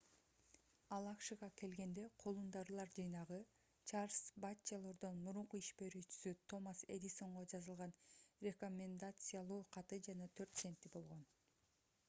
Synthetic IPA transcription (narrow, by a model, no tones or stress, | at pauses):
ɑlˠɑkʃɯʁɑke̞lɡe̞nd̪e̞qʰo̞lˠund̪ɑɾlˠɑɾd͡ʒɯjnɑʁɯ | t͡ʃaɾsbat͡ʃːalˠo̞ɾd̪o̞nmuɾuɴquiʃbe̞ɾyːt͡ʃy̥syt̪ʰo̞mase̞̰d̪ʲiso̞ɴʁo̞d͡ʒɑzɯlˠʁɑnrʲe̞ko̞mʲend̪at̪sɨjalˠuːqʰɑt̪ɯd͡ʒɑnɑt̪ʰø̞ɾt̪se̞nt̪ːibo̞lˠʁo̞n